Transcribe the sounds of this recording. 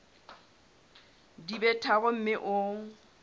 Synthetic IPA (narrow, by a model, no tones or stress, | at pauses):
dibɛtʰaɣʊm̩mɪʔʊ